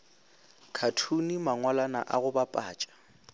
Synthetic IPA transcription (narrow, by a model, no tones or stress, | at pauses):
kʰatʰunimaŋwalana̰ʔaɣʊbapʼa̰ːt͡ʃʼḁ